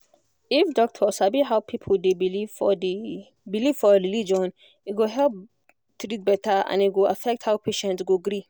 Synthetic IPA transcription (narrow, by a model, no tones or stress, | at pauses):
ifdɔk̚tʰɔsabiɦawpʰipʰəldebilifɔdi | bilivfɔɾilid͡ʒɔ̃n | iɡoɦɛlp | t̪ɾit̚bɛtʰaã̰niɡoafɛk̚thawpʰeʃɛ̃ntsɡoɡɾi